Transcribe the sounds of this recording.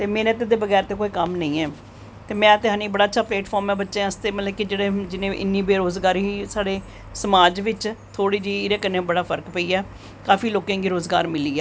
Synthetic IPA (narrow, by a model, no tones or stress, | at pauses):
t̪eːmẽːnət̪d̪eːbəɡɛːɾt̪eːkoːiːkəmnə̃ĩːɛː | t̪eːmɛ̃ːt̪eɦãːniːbəɽaːətːt͡ʃʃʰaːplɛːʈpʰɔːɾmɛːbətːʃẽːəst̪eːmət̪ləbkid͡ʒeːɽeːd͡ʒɪnẽːʔɪ̰nːiːbeːɾoːzɡaːɾɦiːsaːɽeː | səmaːd͡ʒʋɪt͡ʃt̪ʰoːɽiːd͡ʒiːɪɾeːkənːeːbəɽaːpʰəɾkpəiːɛː | kaːfiːloːkãːŋɡiːɾoːzɡa̰ːɾmɪliːɛː